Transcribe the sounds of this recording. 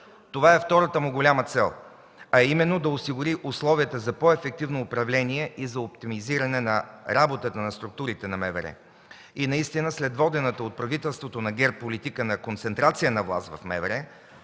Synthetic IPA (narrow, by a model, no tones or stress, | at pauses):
t̪ovaɛft̪ɔɾət̪əmʊɡolʲamət̪sɛlˠ | ɐɛimɛnːod̪ɐʊsiɡʊɾiʔʊslˠɔviət̪əzɐpɔɛfɛk̚t̪ivnoːpɾɐvlɛniɛʔizɐop̚t̪imiziɾɐnɛnɐɾabot̪ət̪ənɐst̪ɾʊk̚t̪uɾit̪ɛnɐmɛvɛɾɛ̰ | inɐist̪inəslɛd̪vɔd̪ɛnət̪əot̪̚pɾɐvit̪ɛlˠst̪vot̪onɐɡɛɾt̪̚polit̪ikənɐkont̪sɛnt̪ɾat̪sijənɐvlˠa̰st̪vɐ̰fmɛ̰vɛɾɛ